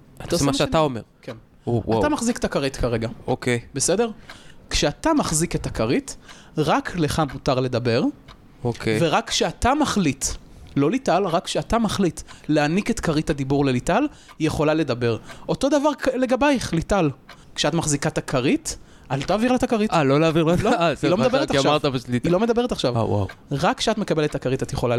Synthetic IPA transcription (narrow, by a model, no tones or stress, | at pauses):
atameamaʃataomeʁken | uwa̰tamaχziktakaʁitkʰaʁe̞ɡaokejbese̞de̞ʁkʃeat̪amaχziketakaʁit | ʁakʰleχamutaʁle̞d̪abe̞ʁ | okʰeveʁakːʃeatamaχlit | lo̞litalʁakːʃeatamaχlitleanike̞tkaʁitad̪ibuʁlelital | ijeχo̞lale̞dabeʁo̞to̞d̪avaʁkleɡabajχlital | kʃeatmaχzikatakʰaʁit | atlotaːviʁlatakaʁiʔalolaːviʁloailoed̪abeetaʃaʁtvtaliilo̞med̪abeʁetaχʃav̰wa̰wʁakʃeatme̞kabe̞let̪ːakaʁitatjeχola